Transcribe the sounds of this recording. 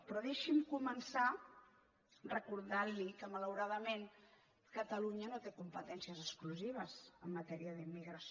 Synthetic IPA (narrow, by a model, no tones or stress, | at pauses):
pɾɔðeʃimkumənsa | rəkuɾðalikəmələwɾaðəmen | kət̪əluɲənot̪ekumpət̪ɛnsiəzəskluziβ̞əzəmːət̪ɛɾiəðimːiɣɾəs